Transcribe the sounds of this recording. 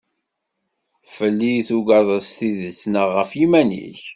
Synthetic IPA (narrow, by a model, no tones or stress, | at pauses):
fəlːiθuɡɑðˤəsθiðət͡sːnəʁːəfjimænḭç